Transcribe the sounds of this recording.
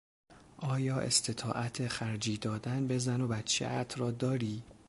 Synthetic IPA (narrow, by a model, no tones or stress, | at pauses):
ʔɒːjɒːʔḛst̪ʰe̞t̪ʰɒ̰ːʔæt̪ʰeχæɾd͡ʒiːd̪ɒːd̪ænbe̞zænobæt̪t͡ʃʰḛʔæt̪ʰrɒːd̪ɒːɾiː